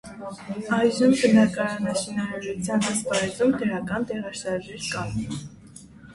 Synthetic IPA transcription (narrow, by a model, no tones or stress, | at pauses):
ɑjʒəmbənɑkɑɾɑnɑʃinɑɾɑʒut͡sʰjɑnhəspɑɾɛzumd̪əɾɑkɑnt̪ɛʁɑʃɑɾʒɛɾkɑn